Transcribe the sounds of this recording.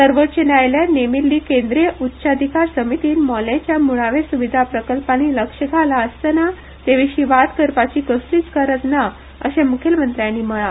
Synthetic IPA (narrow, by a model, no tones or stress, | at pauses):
səɾʋət̪ːɕənajljanemilːiːkend̪ɾiəʔutːɕad̪ʱikaɾsəmit̪iːnmɔlet͡ɕjamuɭaʋesuʋid̪ʱapɾəkəlpaniləkʂəɡʱalaəst̪əna | t̪eʋiɕiʋat̪kəɾpat͡ɕiːkəst̪iːt͡skəɾət̪na | ə̰ɕemukʰelmənt̪ɾjanːiməɭa